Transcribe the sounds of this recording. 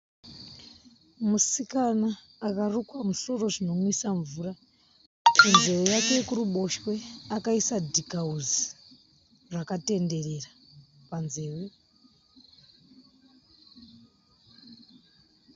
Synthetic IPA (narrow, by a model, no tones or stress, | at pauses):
musikanaː | karukwamuso̞ro̞ʐino̞mwisaɱvuːra | kunze̞wejakekuruɓo̞ʃwe̞akaisadʱikauzi | rwakate̞nde̞re̞ra | panze̞ːwe